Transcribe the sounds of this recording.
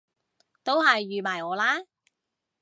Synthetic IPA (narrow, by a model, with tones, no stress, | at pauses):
t̪o˥whɐ˨jːyː˨˩maː˨˩jŋɔː˨˧laː˥